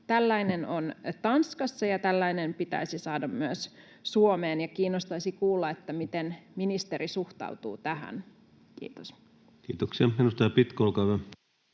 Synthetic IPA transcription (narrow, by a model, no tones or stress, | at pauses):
t̪ælːæinenont̪ɑnskɑsːɑjɑt̪ælːæinempit̪æ̰isisɑːdɑmmyøs | suomeːnjɑkiːnːost̪ɑisikuːlːɑet̪ːæmit̪enminist̪erisuht̪ɑ̰ut̪ṵːt̪æɦæ̰n | kḭːt̪os | kiːt̪oksiɑmenust̪ɑjɑpit̪kolkɑʋæ